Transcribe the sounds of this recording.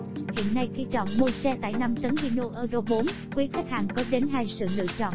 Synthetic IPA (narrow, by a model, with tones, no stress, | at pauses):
hḭ˧˨ənːa˧jxi˧t͡ɕɔ̰˧˨nmo˧jsɛ˧t̪a̰ː˧˨jna˧mt͡ɕə˨˦nvi˧no˧ʔəː˧ɣo˧ɓo˨˦n | kwi˨˦xa˦˥k̚haː˨˩ŋkɔ˨˦ɗe˨˦nɦaː˧jsɨ̰˧˨lɨ̰˧˨ət͡ɕɔ̰˧˨n